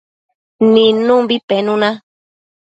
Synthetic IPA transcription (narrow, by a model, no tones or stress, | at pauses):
nĩnũmbipenũnã